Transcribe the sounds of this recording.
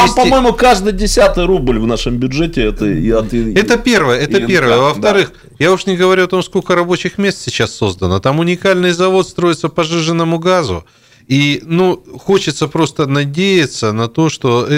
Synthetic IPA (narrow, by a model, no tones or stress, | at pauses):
ampɐmojɪmʊkaʐd̪ɨjdʲɪsʲat̪ɨjɾublʲvnaʂɨmbʲʊdʐɛtʲɪɛt̪əɛt̪əpʲe̞rvəjəɛəpʲe̞rvəjəvəft̪ɐɾɨx | jaʊʂnʲɪɡəvɐɾʲuɐt̪o̞msko̞lʲkəɾɐbo̞t͡ɕɪxmʲe̞st̪sʲɪt͡ɕasːo̞zd̪ənət̪amʊnʲɪkalʲnɨjzɐvo̞t̪st̪ɾo̞jɪt̪səpɐʐɨʐɨnːəmʊɡazʊ̰ | inuxo̞t͡ɕɪt̪səpɾo̞st̪ənɐdʲejɪt̪sənɐt̪o̞ʂt̪o̞